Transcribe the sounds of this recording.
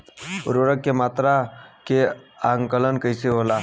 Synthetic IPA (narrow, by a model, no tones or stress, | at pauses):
ʊɾəɽəkːemat̪ɾakeaŋkələnkəjseɦola